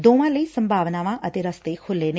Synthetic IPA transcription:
d̪oːʋãːləiːsəmbʱaːʋnaːʋãːʔət̪eːɾəst̪eːkʰʊlːeːneː

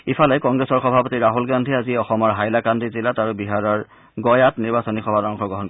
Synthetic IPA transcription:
ifʰalɛkɔŋɡɹesɔɹxɔbʱapotiɹaɦulɡandʱiaziɔxɔmɔɹɦajlakandizilataɹubiɦaɹɔɹ | ɡɔjatniɹbasɔnixɔbʱadɔŋxɔɡɔɦɔnk

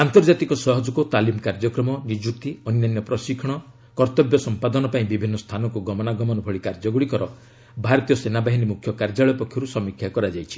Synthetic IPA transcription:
ant̪ɔɾd͡ʒat̪ikɔsɔɦɔd͡ʒɔkut̪alimkaɾd͡ʒɔkɾɔmɔnid͡ʒuk̚t̪iɔnjanjɔpɾɔsikʰɔɽ̃ɔ | kɔɾt̪ɔbjɔsɔmpad̪ɔnɔpaĩbibʱinːɔst̪ʰanɔŋkuɡɔmɔnaɡɔmɔnɔbʱɔɭikaɾd͡ʒɔɡuɭikɔɾɔ | bʱaɾɔt̪ijɔsenabaɦinimukʰjɔkaɾd͡ʒaɭɔjɔpɔkʰjɔɾusɔmikʰjakɔɾad͡ʒajt͡ʃʰi̥

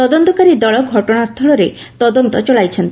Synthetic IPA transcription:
t̪ɔd̪ont̪ɔkaɾid̪ɔɭɔɡʱɔʈɔɽast̪ʰɔɭɔɾe | t̪ɔd̪ɔnt̪ɔt͡ʃɔɭajt͡ʃʰɔnt̪i

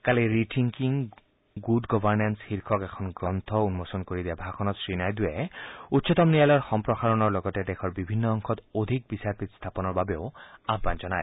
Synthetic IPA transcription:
kaliɹitʰiŋkiŋ | ɡudɡɔbʱaɹnansxiɹkʰɔkɛkʰɔnɡɹɔnt̪ʰɔunmosɔnkoɹidiabʱakʰɔnɔtsɹinajdʊjɛutsɔt̪ɔmnijalɔjɔɹxɔmpɹɔxaɹɔnɔɹlɔɡɔtɛdɛxʰɔɹbibʱinːɔːŋxʰɔtodʱik̚bisaɹpit̪st̪ʰapɔnɔɹbabɛʊabʱːanzɔna̰j

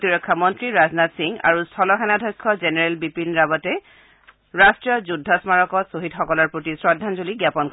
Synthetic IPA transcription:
tiɹɔkʰːamɔntɹiɹaznatsiŋa̰ɹustʰɔlɔxɛnadʱɔjkʰːɔzenɛɹɛlbipinɹabɔtɛ | ɹastɹijɔzudʱːɔsmaɹɔkɔsoɦitxɔkɔlɔɹpotisɹɔdʱːanzuliɡjapɔnk

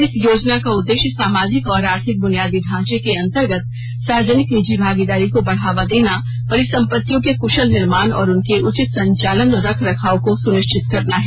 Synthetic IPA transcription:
ɪsjoːd͡ʒnakaʊd̪ːeːʃjəsaːmaːd͡ʒɪkɔːɾaːɾt̪ʰɪk̚bʊnijaːd̪iɖʱãːt͡ʃekeɐ̃nt̪əɾɡət̪ | saːɾd͡ʒənɪknid͡ʒibʱaːɡid̪aːɾikobɐɽ̤aːʋad̪eːna | pɐɾɪsɐ̃mpət̪ːjõkekʊʃəlnɪɾmaːnɔ̰ːɾʊnkeʔʊt͡ʃɪt̪sɐ̃ɲt͡ʃaːlənɾɐkʰɾɐkʰaːõkosʊnɪʃt͡ʃʰɪt̪kɐɾnaɦɛ

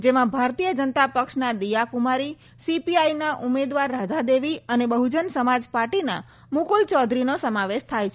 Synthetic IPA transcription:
d͡ʒemãbʱaɾt̪ijəd͡ʒənət̪apəkʃnad̪ijakumaɾi | sipiajnaʔumed̪ʋaɾːad̪ʱad̪eʋiənebəɦud͡ʒənsəmad͡ʒpaɾʈina̰ | mukult͡ʃɔd̪ʱɾinosəmaʋeʃt̪ʰajt͡ʃʰ

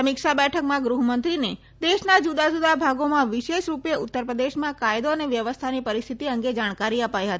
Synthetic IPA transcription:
mɪkʃabɛʈʰəkmãɡɾuɦmənt̪ɾine | d̪eʃnad͡ʒud̪ad͡ʒud̪abʱaɡomãʋɪʃeʃɾupjeʊt̪ːəɾpɾəd̪eʃmãkajd̪oəneʋjəʋəst̪ʰanipəɾist̪ʰit̪iəŋɡed͡ʒaɽ̃kaɾiəpajɦət̪i

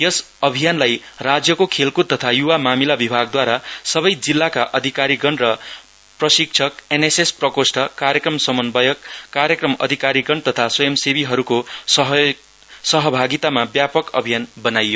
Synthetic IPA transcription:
jʌs | ʌbʱijanlaj | rad͡zjʌkokʰelkut̪̚t̪ʌt̪ʰajuwamamilabibʱaɡ̚d̪waɾasʌbʌjd͡zilːakaʔʌd̪ʱikaɾiɡʌnrʌ | prʌsik̚t͡sʰʌkenesesprʌkosʈʰʌkaɾjʌkrʌmsʌmʌnbʌjʌkːaɾjʌkrʌmʌ̰d̪ʱikaɾiɡʌnt̪ʌt̪ʰasojemsebiɦʌɾukoʌɦ | sʌɦʌbʱaɡit̪amabjapʌkʌ̰bʱijanbʌnajːo

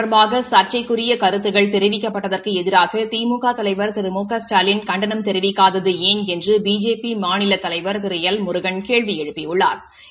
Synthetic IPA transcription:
ɐɾmbaːɣɐsaːɾt͡ʃɐɪkːɯrɪjɐkɐɾɯt̪ːɯɣɐɭt̪ɛɾɪʋɪkːɐpːɐʈːɐðɐrkɯɛðɪɾaːɣɐt̪iːmuːɣaːt̪ɐlɐɪʋɐɾt̪ɪɾɯmuːkɐsʈaːlɪnkɐɳɖɐnɐmt̪ɛɾɪʋɪkːaːðɐðɯeːnɛndrɯbiːd͡ʒeːpimaːnɪlɐt̪ːɐlɐɪʋɐɾt̪ɪɾɐjɐlmʊɾɯɣɐɳkeːɭʋijɛɻɯpːɪjʊɭːa̰ːɾ

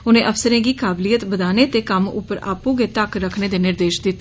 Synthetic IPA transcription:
ʊnẽːʔəfsəɾẽːɡiːkaːblijət̪bəd̪aːneːt̪eːkəmʊ̰pːəɾa̰ːpõːɡeːt̪əkɾəkʰneːd̪eːnɪɾd̪eːʃd̪ɪt̪ː

